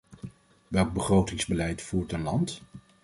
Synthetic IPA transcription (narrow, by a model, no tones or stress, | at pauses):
ʋɛlˠɡ̚bəχrowtɪŋzbəlɛjtfuːɹtənlɑnt